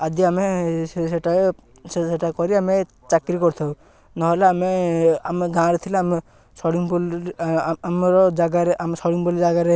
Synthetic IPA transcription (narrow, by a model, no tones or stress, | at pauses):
ad̪iameseʈa | eʈakɔɾiame | t͡ʃakɾikɔɾt̪ʰɔw | nɔɦelaameameɡãɾet̪ʰilaːme | sɔɽiŋbɔl | mɾɔd͡ʒaɡaɾeʔamesɔɽiŋbɔlid͡ʒaɡaɾe